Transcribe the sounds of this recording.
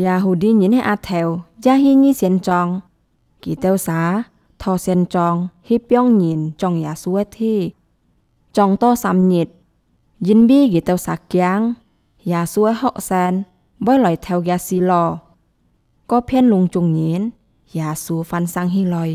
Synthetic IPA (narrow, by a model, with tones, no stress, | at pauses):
jaː˧ɦu˧di˧˦ɲi˨˦nɛ˧˨ʔa˧˨t̪ʰɛ˨˧˦wjaː˧ɦi˧˨ɲi˧˨si˧˨ənt͡ɕɔ˧ŋ | kḭ˨t̪ɛ˧˨wsaː˨˧˦ | t̪ʰɔ˧˨sɛ˧nt͡ɕɔ˧ŋhi˧˦pjɔ˧˨ŋɲi˨˦nt͡ɕɔ˧˨ŋjaː˨su˧˦ə˧t̪ʰi˧˥˨ | t͡ɕɔ˧˨ŋt̪ɔː˧˨sa˨˧˦mɲi˧t̪̚ | ji˧˦nbiː˧˨ki˨t̪ɛ˧wsaː˨˦kja˧˦ŋ | jaː˨˩su˧˦ə˧hɔ˧˨k̚sɛː˧n | bɔ˧˦jlɔ˨jt̪ʰɛ˧wjaː˧si˧lɔː˧ | kɔː˧˦pʰɛ˧˥˨nlu˧ŋt͡ɕu˧ŋɲi˨˦n | jaː˨˩su˧˦fa˧nsa˧ŋɦi˧˥lɔ˧j